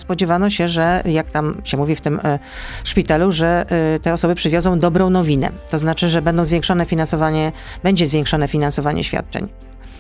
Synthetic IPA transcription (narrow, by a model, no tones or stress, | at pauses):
spɔd͡ʑɛvanɔɕɛʐɛjakt̪amɕɛmuvʲift̪ɘm | ʂpʲit̪aluʐɛt̪ɛɔsɔbɘpʂɘvʲjɔdzɔ̃w̃d̪ɔbɾɔ̃w̃nɔvʲinɛ̰t̪ɔznat͡ʂɘʐɛbɛnd̪ɔw̃zvʲjɛ̃ŋkʂɔnɛfʲinansɔvaɲɛ | bɛɲd͡ʑɛzvʲjeɛŋkʂɔnɛfʲinansɔvaɲɛ̰ɕfʲja̰t̪̚t͡ʂɛ̰ɲ